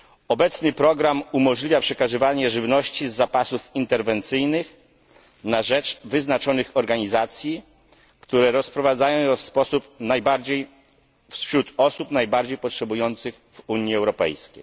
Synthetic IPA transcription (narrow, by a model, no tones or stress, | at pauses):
ɔbɛt̪snɘpɾɔɡɾamumɔʐlʲivʲjapʂɛkaʐɘvaɲɛʐɘvnɔɕt͡ɕizːapasufint̪ɛɾvɛnt̪sɘjnɘx | naʐɛt͡ʂvɘznat͡ʂɔnɘxɔɾɡaɲizat̪sʲji | kt̪uɾɛɾɔspɾɔvad̪zajɔ̃w̃jɛfspɔsupnajbaɾd͡ʑej | fsɕɾut̪ɔsupnajbaɾd͡ʑejpɔtʂɛbujɔnt̪sɘxvuɲjiɛwɾɔpɛ̰jskʲej